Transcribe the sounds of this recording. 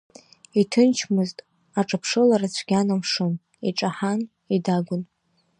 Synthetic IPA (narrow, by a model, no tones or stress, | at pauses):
itʰɨnt͡ʃʰmɨztʼ | aʈ͡ʂʼapʰʂɨlaɾat͡ɕʷʰɡʲanamʂɨn | iʈ͡ʂʼaħan | idaɡʷʊn